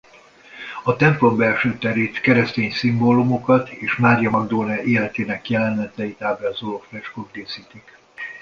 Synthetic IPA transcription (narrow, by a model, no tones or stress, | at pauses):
ɒt̪ɛmplo̞mbɛlʃøːt̪ɛɾeːt̪kɛɾɛst̪eːɲsimboːlumokɒt̪ʰeːʃmaːɾjɒmɒɡd̪oːnɛʔeːlɛt̪eːnɛkjɛlɛnɛt̪ɛjit̪aːbɛlɒzolofrɛʃkoɡd̪eːsiːt̪ik